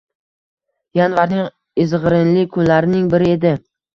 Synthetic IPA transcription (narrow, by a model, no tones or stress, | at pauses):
janvaɾnɪŋ | ɪzʁɾɪnlɪkʰʊnlaɾɪnɪŋbɪɾɪe̞d̪ɪ